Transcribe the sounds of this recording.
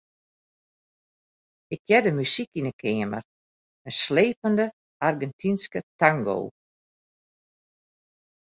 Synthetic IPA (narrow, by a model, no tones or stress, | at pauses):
ɪk̚ʰjɛdəmysikinəkʰɪəmə̰r | əsleːpəndə | arɡɛntʰinskətaŋɡo̰ː